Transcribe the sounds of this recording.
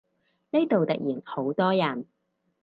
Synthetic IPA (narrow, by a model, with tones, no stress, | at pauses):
ne˥t̪o˨wt̪ɐ˨k̚jiː˨˩nho˨˥wt̪ɔː˥jɐ˨˩n